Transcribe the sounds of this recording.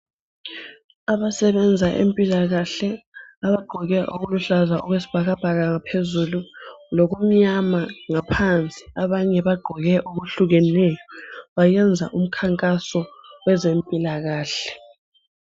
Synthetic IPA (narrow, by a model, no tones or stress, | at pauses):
aβasɛβɛnd͡zʱaʔḛmpʼilaɣaɬɛaβaɡ͡ǃʱɔɣɛʔoɣuluɬazaʔɔɣwesi̥b̥ʱaɣab̥ʱaɣaŋapʰezululɔɣum̩ɲamaŋapʰant͡sʼi̥aβaɲɛβaɡ͡ǃʱɔɣɛʔoɣuɬuɣɛnɛjɔβajɛnd͡zʱa̰ʔum̩kʰaŋkʼasɔwɛzempʼilaɣaːɬɛ̥